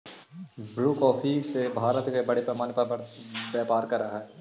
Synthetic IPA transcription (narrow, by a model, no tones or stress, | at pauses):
bɾuːkɔːpʰisebʱaːɾət̪kebɐɽepɾɐmaːnpɐbaːpaːɾkɐɾːɐɦaɦɛː